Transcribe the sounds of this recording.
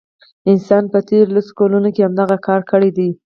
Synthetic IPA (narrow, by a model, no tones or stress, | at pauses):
ɪnsɑnpət̪eɾlaso̥kɑlunokeamd̪aɣakʰɑɾkəɽed̪i